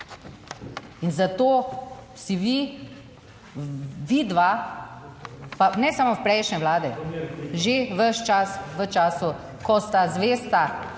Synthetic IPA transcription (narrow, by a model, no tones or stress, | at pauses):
inzat̪oː | siʋi | ʋid̪ʋa | panɛsamowpɾɛjʃnɛʋlaːd̪ɛʒeʋəʃt͡ʃasʋət͡ʃaːsu | kɔst̪azʋeːst̪a